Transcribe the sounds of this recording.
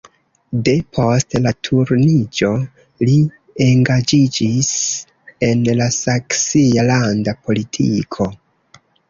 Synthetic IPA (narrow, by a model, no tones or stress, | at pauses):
de̞pʰo̞stlatʰuɾnid͡ʒo̞ | li | e̞ŋɡad͡ʒid͡ʒis | e̞nlasaksialandapʰo̞litʰikʰo̞